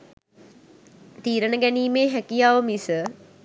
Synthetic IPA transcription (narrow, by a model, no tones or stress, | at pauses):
t̪iːɾənəɡæniːmeːɦækijaːʋəmisə